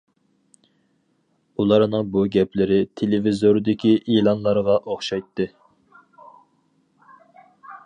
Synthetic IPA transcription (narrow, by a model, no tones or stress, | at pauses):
ulˠɑɾnɨŋbuɡʲɛpʰlɪɾɪt̪ʰelevizoɾd̪ɪkʲʰiʔilˠɑnlˠɑɾʁɑʔoχʃɑjt̪ʰːɨ